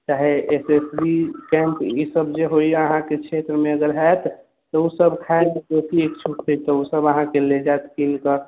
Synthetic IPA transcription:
t͡ʃaɦeesesbikɛ̃mpisəbʱd͡ʒeɦoiəɦãket͡ʃʰet̪ɾəmeəɡəɾɦɛt̪ʰː | ɔusəbkʰaebek̪osiekt͡ʃʰuʈʰɦojt̪ɔusəbəɦãkeled͡ʒaet̪kinkə

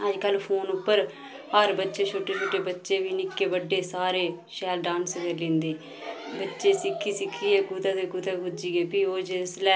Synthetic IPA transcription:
əd͡ʒkəlpʰoːnʊpːəɾ | həɾbətːʃeːt͡ʃʰoʈːeːt͡ʃʰoːʈːeːbətːʃeːʋiːnɪkːeːʋəɖːeːsaːɾeːʃɛːlɖãːnsɡəɾlɪ̃ːnd̪eː | bətːʃeːsɪkʰːiːsɪkʰːiːɛːɡud̪aːd̪eːɡʊd̪aːkʊd͡ʒiːɡeːpiːoːd͡ʒeslɛː

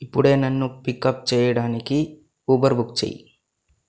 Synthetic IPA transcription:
ipːuɽe̞ːnɐnːupikːɐp̚t͡ʃɛːjɐɽaːniki | uːbɐɾbukt͡ʃḛːjḭ

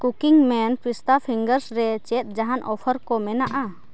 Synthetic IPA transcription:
kukiŋmɛnpɾist̪apʰiŋɡəɾsɾɛt͡ʃɛt̪̚ˀd͡ʒaɦanʔɔpʰəɾkɔmɛnaʔa

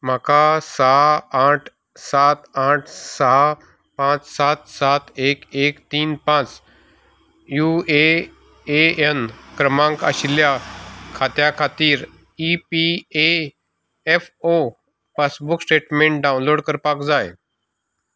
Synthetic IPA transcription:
m̤akasaɦaʈʰ | sat̪aʈʰsaɦa | pãt͡ssat̪sat̪ʰekekt̪iːnpãt͡s | jue | eenkɾəmãŋkə̰ɕljakʰat̪jakʰat̪iːɾ | ipie | efo | pasbuksʈeʈmeɳʈ̚ɖaunloɽkəɾpakd͡zaj

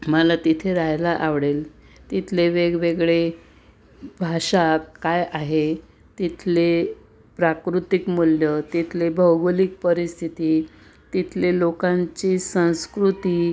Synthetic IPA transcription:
məlat̪it̪ʰeɾajlaʔaʋɽel | t̪it̪ʰleʋeɡʋeɡɭe | bʱaʂakːajaɦe | t̪it̪ʰle | pɾakɾut̪ikmuljət̪it̪ʰlebʱəwɡlik̚pəɾist̪ʰit̪iː | t̪it̪ʰlelokãɲt͡ɕiːsə̃w̃skɾut̪iː

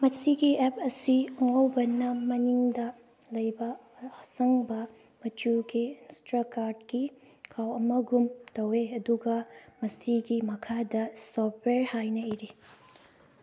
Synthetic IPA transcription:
mɐsiɡiepʰɐsiɐŋowbɐnɐmɐniŋdɐ | lɐjbɐ | hɐsɐŋbɐ | mɐt͡ʃuɡinstɾakaɾdki | kʰawɐmɐɡumtɐweɐduɡɐmɐsiɡimɐkʰadɐsɔpʰweɾhajnɐiɾi

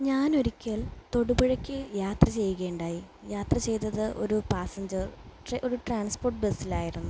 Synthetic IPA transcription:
ɲaːno̞ɾikʲːɐlt̪o̞ɽubɐɻɐkʲːɨjaːt̪rɐt͡ɕe̞jɣe̞ːɳɖaːji | jaːt̪rɐt͡ɕe̞jt̪ɐðɨʔo̞̰ɾupaːsɐɲd͡ʑɐrʔoɾuʈraːɳspo̞ːrʈ̚be̞silaːjiɾunːu

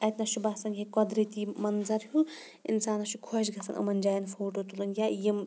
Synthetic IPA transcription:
ɐt̪ʲnɐʃubaːsɐnɦikɔd̪ɾit̪imɐnzɐɾɦu | ḭnsaːnɐʃukʰoʃɡʱɐsʰɐnʔɐ̰mɐnd͡ʒaːjɐnfʰoːʈoːt̪ulunjajim

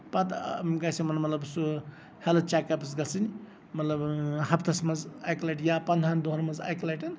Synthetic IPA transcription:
pɐt̪ɡasimɐtmɐt̪ləbsu | helɐt͡ʃakɐpsɡɐlsɨn | mɐt̪ləbhɐpʰt̪ʰɐsmɐzajklajʈjapɐnd̪ʱand̪oɦəɾmɐza̰jklajʈɐn

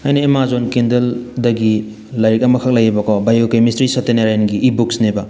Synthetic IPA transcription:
ajnɐemazonkindɐldɐɡi | lajɾik̚ɐmɐkʰak̚lajebakɔbajokemistɾisɐteneɾajnɡiʔibuksneba

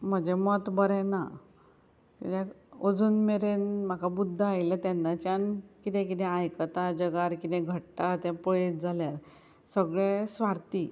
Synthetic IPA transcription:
m̤əd͡ʑemɔt̪bəɾɛ̃na | kit̪ɛ̃ | od͡zuːnmeɾenm̤akʰabud̪ʱːaːjlat̪ɛnːat͡ɕankit̪ɛ̃k̬it̪ɛ̃ajkət̪ad͡ʑəɡaɾkit̪ɛ̃ɡʱəʈʈat̪ɛ̃pɔɭet̪d͡zʱaljaɾ | səɡɭẽsʋaɾt̪i

